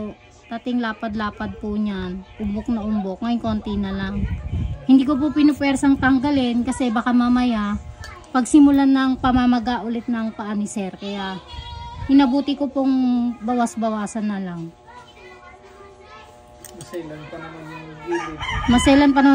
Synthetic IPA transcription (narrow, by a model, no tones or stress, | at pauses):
o | t̪at̪ɪŋlaːpɐd̪laːpɐd̪̚pʊɲanʔʊmbok̚nɐʔʊmbok̚ŋɐɪŋko̞nt̪ɪnɐlaŋhɪnd̪iːkop̬ʊpɪnopwɛɾsɐŋt̪ɐŋɡɐlɛnkɐsɛbakamamɐja | pɐɡsɪmʊlanɐŋpɐmamɐɡaʔʊlɛt̪̚nɐŋpɐʔanisɛɾkɐja | hɪnɐbuːt̪ɪkopoŋbɐwasbɐwaːsɐnːɐlaŋ | mlɐnpɐnɐn | mɐsɛlɐnpɐnɐ